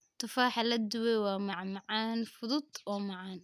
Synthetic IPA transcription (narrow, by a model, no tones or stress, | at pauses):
t̪ʰʊfaːħɑlɐd̪ʊwɛwɑːmɑʕmɑʕɑːnfʊðʊd̪ɔːmɑʕɑːn